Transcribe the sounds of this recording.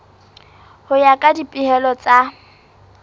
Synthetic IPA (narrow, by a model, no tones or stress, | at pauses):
hʊjakʼadipʼɪhɛlɔt͡sʼa